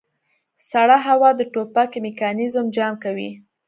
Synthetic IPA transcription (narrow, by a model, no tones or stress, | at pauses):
saɽɑɦawɑd̪əʈopakemɪkɑnizʊmd͡ʒɑmkawḭ